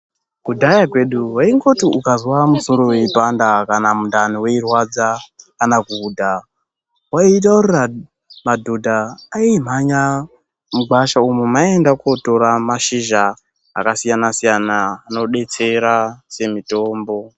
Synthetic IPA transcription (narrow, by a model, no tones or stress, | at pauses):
kudʱajakwe̞ɗuwaiŋɡo̞tiukazwamuso̞ɾo̞we̞ipandakanamundan̤iweirwad͡zakanakuːdʱa | wait̬aurira | madʱodʱaːim̤aɲa | muɡ͡baʃaumemaendakoto̞ɾamaʃiʒa̰ː | kasijanasijanaːno̞ɗe̞t͡se̞ɾase̞mito̞ːmbo̞